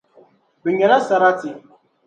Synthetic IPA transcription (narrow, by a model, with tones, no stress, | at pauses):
bɪ˨ɲɛ˨ɾa˦sa˨ɾa˦tɪ˨